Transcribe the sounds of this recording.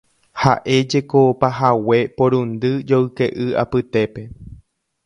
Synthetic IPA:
ha̰ʔe̞d͡ʒe̞kopaɦawe̞poɾũnd̪ɨd͡ʒowɨke̞ʔɨa̰pɨt̪e̞pe̞

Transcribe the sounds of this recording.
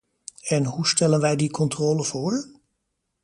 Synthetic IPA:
ɛnɦustɛlənʋɛjdikɔntroːləv̥ʊːɹ

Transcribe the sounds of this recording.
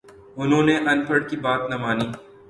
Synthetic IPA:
ʊnɦõːneʔɐnpʰəɽkibaːt̪nɐmaːniː

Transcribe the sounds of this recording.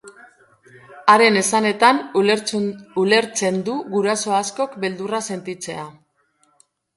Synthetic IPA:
aɾe̞ne̞sane̞t̪an | ule̞ɾt͡se̞nd̪uɣuɾaso̞asko̞kbe̞ld̪urase̞nt̪it͡se̞a

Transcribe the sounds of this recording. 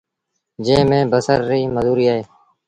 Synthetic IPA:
d͡ʒẽːmẽːbəsəɾːiːməzuːɾiːaːɦeː

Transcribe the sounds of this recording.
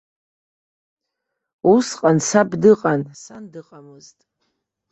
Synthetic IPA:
usqʼansabdɨqʼansandɨqʼamɨztʼ

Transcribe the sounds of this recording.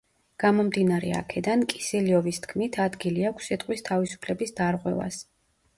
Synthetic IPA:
ɡ̥amɔmd̪inaɾɛ̰a̰kʰɛd̪ankʼisɛliɔvist̪ʰkʰmit̪ʰad̪ɡiliakʷʰsːit̪ʼqʼwist̪ʰavisu̥pʰlɛbisd̪aɾʁwɛva̰s

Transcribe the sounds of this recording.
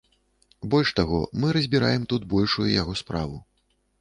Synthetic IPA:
bɔlʲʂt̪aɣɔ̰mɨɾɐzʲbʲiɾa̰jɛmt̪ut̪bɔlʲʂujṵjaɣɔspɾavu

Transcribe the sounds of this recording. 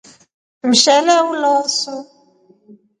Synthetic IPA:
m̩ʃɛlɛwulɔːsu

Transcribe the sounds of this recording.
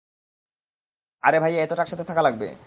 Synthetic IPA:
a̰ɾebʱajaet̪oʈakʃat̪ʰet̪ʰakalaɡ̚bḛ

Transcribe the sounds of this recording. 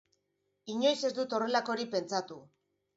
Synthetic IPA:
iɲo̞jse̞zd̪ut̪o̞re̞lako̞ɾipe̞nt͡sat̪u

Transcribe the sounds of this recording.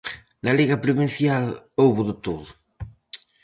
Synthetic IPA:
nɐliɣɐpɾuβinθjalowβʊðɪt̪oðʊ

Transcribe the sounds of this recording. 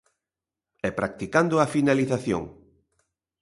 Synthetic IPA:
ɛpɾak̚t̪ikand̪ʊafinaliθaθjo̰ŋ

